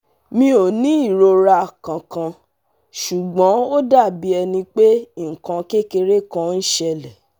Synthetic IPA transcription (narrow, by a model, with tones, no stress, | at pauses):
mĩ˦o˨nĩ˨˦i˦˨ɾo˧ɾa˧˨kã˨kã˧ | ʃu˨ɡ͡bɔ̃˨˦o˦da˦˨bi˨˦ɛ˧nĩ˧k͡pe˦ŋ̩˨kã˧ke˦ke˧ɾe˦kã˧˦n̩˦ʃɛ˧lɛ˨